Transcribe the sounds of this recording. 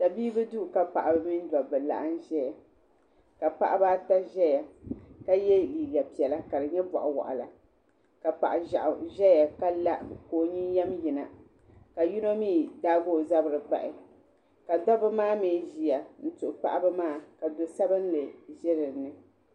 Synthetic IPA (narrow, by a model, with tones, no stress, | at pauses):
ta˨biː˦bɨ˦du˦˨ka˨pa˨ʔa˨bɨ˨˦mi˦n˦dɔ˨bɨ˨la̰˨ʔa˦n˦ʒɛ˦ja˨ | ka˨pa̰˦ʔa˦ba˦ta˦ʒɛ˦ja˨ka˦jɛ˦liː˨ɡa˨pi˨ɛ˨la˦ka˨dɨ˨ɲɛ˦bɔ̰˨ʔʊ˨wa̰˨ʔʊ̰˨la˨ | ka˨pa̰˨ʔa˨ʒa̰˨ʔʊ˨ʒɛ˦ja˨ka˦la˦ʔkoː˨ɲi˦jɛ˦mji˨na˨ | ka˨ju˦no˦miː˦˨daː˦ɡoː˦˨za˦bɨ˨ɾɨ˨ɡ͡ba̰˨ʔɪ˨ | ka˨dɔ˦bɨ˦maː˦meː˨˦˨ʒi˨ja˨n̩˦tʊ˨ʔʊ˨k͡pa̰˦˨ʔa˦bɨ˦maː˦˨ka˨do˨sa˦bɨ˦n˦lɨ˨ʒɛ˦ɾɨ˨nɨ˨